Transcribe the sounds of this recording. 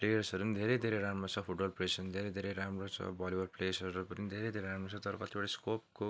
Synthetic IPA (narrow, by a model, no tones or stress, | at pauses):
plejʌrsʌɾunid̪ʱeɾed̪ʱeɾeɾamʌt͡sʰʌpʰuʈbʌlpresʌnid̪ʱeɾed̪ʱeɾeɾamrot͡sʰʌ̰bʌlibʌrplejsʌɾupʌninid̪ʱeɾejd̪ʱeɾeɾamrot͡sʰʌt̪ʌɾʌkʌt̪ibaʈaskop̚ko